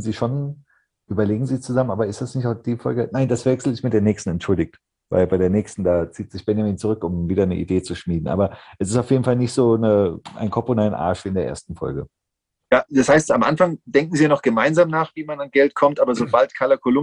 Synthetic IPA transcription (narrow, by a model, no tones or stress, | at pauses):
n̩ziːʃon | ʔyːbɐleːɡŋ̩ziːt͡suzamənʔaːbɐɪstd̥asnɪçtaʊd̥iːfɔlɡənaɪnd̥asv̥ɛksl̩ɪstmɪtd̥eːɐnɛːçstn̩ɛntʃʊldɪk̚t | va̰ɪlbaɪɾeːɐnɛːçstn̩daːt͡siːtz̥ɪçb̥ɛnjamiːnt͡suʁʏkʊmviːdɐnəʔḭdeːt͡suʃmiːdn̩ʔa̰ːbɐʔɛsɪstaʊfjeːdn̩falnɪçtz̥oːnəʔa̰ɪnkʰɔponaɪnʔa̰ːɐʃv̥iːɪndeːɐʔḛɐstn̩fɔ̰lɡə | jaːd̥ashaɪstamʔa̰nfaŋd̥ɛŋk̚ŋ̩ziːanɔχɡ̥əmaɪnzaːmnaːχv̥iːmananɡɛltkʰɔmtʔaːbɐzoːbaltkʰaːlɐkʰolʊ